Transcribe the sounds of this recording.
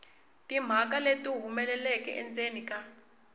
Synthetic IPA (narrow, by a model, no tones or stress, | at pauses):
tʼim̤ak̬ʼaletʼuɦumɛlɛlɛkʼɛ̰ʔɛ̰nt͡sʼenikʼa